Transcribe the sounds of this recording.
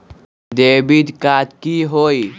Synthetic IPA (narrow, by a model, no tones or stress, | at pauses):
d̪ebid̪kat̪kiɦoi